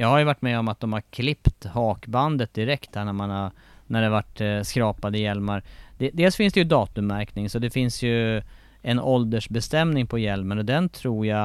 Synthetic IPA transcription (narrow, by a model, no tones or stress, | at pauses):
jɑːɡhaɾjɵvaʈːmɛːɔmat̪̚d̪ɔmhaɾkʰlɪpt̪hɑːkband̪ət̪̚d̪ɪɾɛkt̪hæːɳæmanha | næɖɛavaʈːskɾɑːpad̪əɪjɛlmaɾd̪̥ɛd̪eːlsfɪnsd̪ɛjɵd̪ɑːt̪ɵmːæɾknɪŋsɔd̪ɛfɪnsjɵ | ɛnɔld̪əʂbɛst̪ɛmnɪŋpʰɔjɛlmənɔd̪ɛnt̪ʰɾuːɾja